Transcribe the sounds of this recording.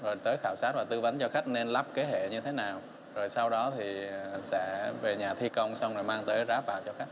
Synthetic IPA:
zo˨˩jt̪əː˨˦jxaː˧˩wsaː˦˥t̚vaː˨˩t̪ɨ˧va˨˦nt͡ɕɔ˧xa˦˥jk̟̚ne˧nlaː˦˥p̚ke˨˦ɦḛ˧˨ɲɨ˧t̪ʰe˨˦naː˨˩w | zo˨˩jsa˧wɗɔ˨˦t̪ʰi˨˩sɛ̰˧˥ve˨˩ɲaː˨˩t̪ʰi˧kə˧wŋ͡msa˧wŋ͡mzo˨˩jmaː˧ŋt̪əː˨˦jzaː˨˦˥p̚vaː˧˨wt͡ɕɔ˧xa˦˥k̚

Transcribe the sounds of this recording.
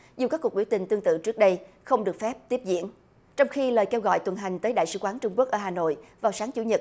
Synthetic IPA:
zu˨˩kaː˦˥kːu˨˩k̚ɓi˧˩wt̪ï˨˩ŋ̟t̪ɨ˧əŋt̪ɨ̰˧˨t͡ɕɨ˦˥ək̚ɗə˧j | xə˧wŋ͡mɗɨ˨˩ək̚fɛ˦˥p̚t̪i˦˥əp̚zḭ˧˨ən | t͡ɕɔ˧wŋ͡mxi˧ləː˨˩jke˧wɣɔ̰˧˨jt̪wə˨˩nɦa˨˩jŋ̟t̪əː˨˦jɗa̰ː˧˨jsɨ̰˧˩kwaː˨˦nt͡ɕʊ˧ŋ͡mku˦˥ək̚ʔəː˧˩ɦaː˨˩no̰˧˨jvaː˨˩wsaː˨˦ŋt͡ɕu˧˩˦ɲə˨˩t̚

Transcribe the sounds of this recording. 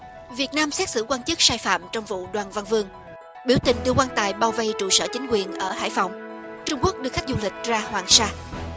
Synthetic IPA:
vi˨˩ət̚naː˧msɛ˦˥t̚sɨ̰˧˩kwaː˧nt͡ɕɨ˦˥k̚saː˧jfa̰ː˧˨mt͡ɕɔ˧wŋ͡mvṵ˧˨ɗwaː˨˩nva˧nvɨ˧əŋ | ɓi˧˩wt̪ï˨˩ŋ̟ɗ̪ɨ˧kwaː˧t̪a̰ː˧˨˩jɓaː˧˩wvə˧jt͡ɕṵ˧˨sə̰ː˧˩t͡ɕï˨˦ŋ̟kwi˨˩ənʔəː˧˩ha̰ː˧˥˨jfa˨˩wŋ͡m | t͡ɕʊ˧ŋ͡mku˦˥ək̚ɗɨ˧əkxa˦˥k̟̚zu˧lï˨˩k̟̚zaː˧hwaː˨˩ŋsaː˧

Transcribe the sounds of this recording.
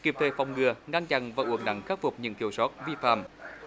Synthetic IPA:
ki˨˩p̚t̪ʰe˨˩fa˨˩wŋ͡mŋɨ˨˩əŋa˧ŋt͡ɕa˧˩nvaː˨˩ʔu˨˩əŋɗa̰˧˩˦ŋxaː˦˥fʊ˨˩k͡p̚ɲɨ̰˧˥ŋkʰi˧əwsɔ˦˥t̚vi˧fa̰ː˧˨˩m

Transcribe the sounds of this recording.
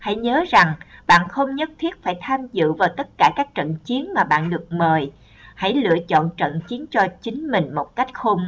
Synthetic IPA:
ha̰˧˥˩jɲəː˨˦za˨˩ŋɓa̰ː˧˨nxə˧wŋ͡mɲə˦˥t̚t̪ʰi˦˥ət̚faː˧˩jt̪ʰaː˧mzɨ̰˧˨vaː˨˩wt̪ə˦˥t̚kaː˧˩kaː˦˥k̚t͡ɕə̰˧˨nt͡ɕi˨˦ənmaː˨˩ɓa̰ː˧˨nɗɨ˨˩ək̚məː˨˩j | ha̰˧˩jlɨ̰˧˨ət͡ɕɔ̰˧˨nt͡ɕə̰˧˨nt͡ɕi˨˦ənt͡ɕɔ˧t͡ɕï˨˦ŋ̟mï˨˩ŋ̟mo˨˩t̚ka˦˥jk̟̚xo˧m

